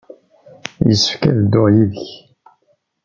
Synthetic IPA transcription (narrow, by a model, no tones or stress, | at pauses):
jəsːə̥fkæðəd̪ːoʁjiðəç